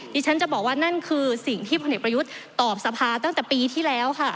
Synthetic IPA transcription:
d̪iː˧t͡ɕʰa˦˥nt͡ɕa˨˩bɔː˨˩k̚waː˥˩na˥˩nkʰɯː˧si˨˩ŋt̪ʰiː˥˩pʰo˧nʔeː˨˩kpɾa˧ju˦˥t̪̚ːɔː˨˩p̚sa˧pʰaː˧t̪a˥˩ŋt̪ɛː˨˩piː˧t̪ʰiː˥˩lɛː˦˥wkʰa˥˩

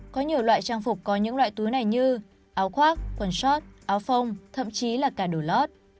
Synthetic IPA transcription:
kɔ˨˦ɲi˨˩əwlwa̰ː˧˨jt͡ɕaː˧ŋfʊ˨˩k͡p̚kɔ˨˦ɲɨ̰˧˥ŋlwa̰ː˧˨jt̪u˨˦jna˨˩jɲɨ˧ | ʔaː˨˦wxwaː˦˥t̚kwə˨˩nsɔ˦˥t̚ʔaː˨˦wfə˧wŋ͡mt̪ʰə̰˧˨mt͡ɕi˨˦laː˨˩kaː˧˩ɗo˧˩lɔ˦˥t̚

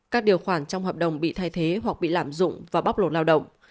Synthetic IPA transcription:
kaː˦˥k̚ɗi˨˩əwxwaː˧˩nt͡ɕwŋ͡mhəː˨˩p̚ɗə˨˩wŋ͡mɓḭ˧˨t̪ʰaː˧jt̪ʰe˨˦ɦwa˨˩k̚ɓḭ˧˨laː˧˩mzʊ̰˧˨ŋ͡mvaː˨˩ɓa˦˥k͡p̚lo˨˩t̚laː˧wɗə̰˧˨wŋ͡m

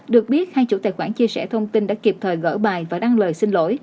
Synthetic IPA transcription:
ɗɨ˨˩ək̚ɓi˦˥ət̚haː˧jt͡ɕṵ˧˥t̪a̰ː˨˩jxwaː˧˩nt͡ɕi˧əsɛ̰˧˩t̪ʰə˧wŋ͡mt̪i˧nɗa̰ː˧˥ki˨˩p̚t̪ʰəː˨˩jɣə̰ː˧˥ɓaː˨˩jvaː˨˩ɗa˧ŋləː˨˩jsï˧ŋ̟lo̰˧˥j

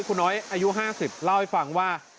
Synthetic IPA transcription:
kʰuː˧nɔː˦˥jʔaː˧ju˦˥ɦaː˥˩si˨˩p̚la˥˩wha˥˩jfa˧˩˦ŋwaː˥˩

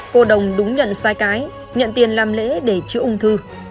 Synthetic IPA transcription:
ko˧ɗə˨˩wŋ͡mɗʊ˨˦ŋ͡mɲə̰˧˨nsaː˧jkaː˨˦j | ɲə̰˧˨nt̪i˧˩ənlaː˧˩mlḛ˧˥ɗe˧˩t͡ɕɨ˨˦ʔʊ˧ŋ͡mt̪ʰɨ˧

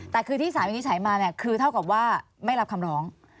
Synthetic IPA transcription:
t̪ɛː˨˩kʰɯː˧iː˥˩s̬aː˩˦mi˧ni˥t͡ɕʰːjmaː˧ni˥˩ɐkʰɯː˧t̪ʰa˥˩wka˨˩p̚waː˥˩ | ma˥˩jɾa˦˥p̚kʰa˧mɾɔː˦˥ŋ

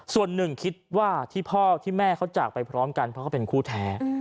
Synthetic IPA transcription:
su˨˩ənːɯ˨˩ŋkʰi˦˥t̪̚waː˥˩t̪ʰiː˥˩pʰɔː˥˩t̪ʰiː˥˩mɛː˥˩kʰa˦˥wt͡ɕaː˨˩k̚pa˧jpʰɾɔː˦˥mka˧npʰɾɔ˦˥kʰa˥˩pe˧nkʰuː˥˩t̪ʰɛː˦˥

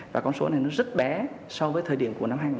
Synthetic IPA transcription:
vaː˨˩kɔ˧nso˨˦na˨˩jnɔ˨˦zə˦˥t̚ɓɛ˨˦ | sɔ˧vəː˨˦t̪ʰəː˨˩ɗi˧˩əmku˧˩əna˧mɦaː˧ŋ˨

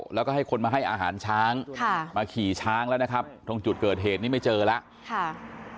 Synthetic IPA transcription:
lɛː˦˥wkɔ˥˩a˥˩jkʰo˧nmaː˧ɦa˥˩jʔa̰ː˧ɦa̰ː˩˦nt͡ɕʰaː˦˥ŋkʰa˥˩maː˧kʰiː˨˩t͡ɕʰaː˦˥ŋlɛ˦˥wna˦˥kʰa˦˥p̚t̪ʰo˧ŋt͡ɕu˨˩t̪̚kɤː˨˩t̪̚ɦeː˨˩t̪̚niː˦˥˩ma˥˩jt͡ɕɤː˧la˦˥ʔ | kʰa˥˩

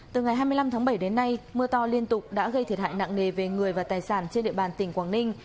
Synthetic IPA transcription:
t̪ɨ˨˩ŋa˨˩jɦaː˧jmɨ˧əjla˧mt̪ʰaː˨˦ɓə˧˩jɗe˨˦nːa˧jmɨ˧ət̪ɔ˧li˧ənt̪ʊ˨˩k͡p̚ɗa̰ː˧˥ɣə˧jt̪ʰi˨˩t̚ha̰ː˧˨jna̰ː˧˨ŋne˨˩ve˨˩ŋɨ˨˩əjvaː˨˩t̪aː˨˩jsaː˧˩nt͡ɕe˧nɗḭ˧əɓaː˨˩nt̪ï˧˩ŋ̟kwaː˧˩ŋnï˧ŋ̟

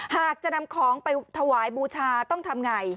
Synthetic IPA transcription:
haː˨˩k̚t͡ɕa˨˩ʔna˧mkʰɔː˩˦ŋpa˧jt̪ʰa˧waː˩˦jbuː˧t͡ɕʰaː˧t̪ɔ˥˩ŋt̪ʰa˧mŋa˧j

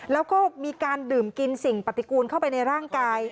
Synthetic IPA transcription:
lɛː˦˥wkɔː˥˩miː˧kaː˧ndɯː˨˩mki˧nsi˨˩ŋpa˨˩t̪ːi˦˩kuː˧nkʰa˥˩wpa˧jna˧jɾaː˥˩ŋkaː˧j

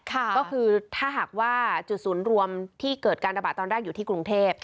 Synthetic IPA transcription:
kʰa˥˩kɔː˥˩kʰɯː˧t̪ʰaː˥˩ɦaː˨˩k̚waː˥˩t͡ɕu˨˩t̪̚suː˩˦nɾu˧əmt̪ʰiː˥˩kɤː˨˩t̪̚kaː˧nɾa˧baː˨˩t̪ːɔː˧nɾaː˥˩ŋjuː˨˩t̪ʰiː˥˩kɾu˧ŋt̪ʰeː˥˩p̚

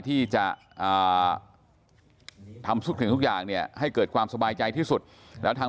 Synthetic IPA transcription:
t̪ʰiː˥˩t͡ɕa˨˩ | ʔəː˨˩ | t̪ʰa˧msu˥˩kʰi˨˦t̪u˥k̚jaː˨˩ŋni˥˩ɐɦa˥˩jkɤː˨˩t̪̚kʰwaː˧msa˧baː˧jt͡ɕa˧jt̪ʰiː˥˩su˨˩t̪̚ | lɛː˦˥t̪ʰaː˧

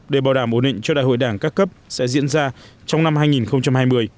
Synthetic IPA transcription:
ɗe˧˩ɓaː˨˩wɗaː˧˩mʔo˧˩nɗḭ˧˨ŋ̟t͡ɕɔ˧ɗa̰ː˧˨jho̰˧˨jɗaː˧˩ŋkaː˦˥kːə˦˥p̚sɛ̰˧˥zḭ˧˥ənzaː˧ | t͡ɕɔ˧wŋ͡mna˧mhaː˧jŋi˨˩nxə˧wŋ͡mt͡ɕa˧mhaː˧jmɨ˧əj

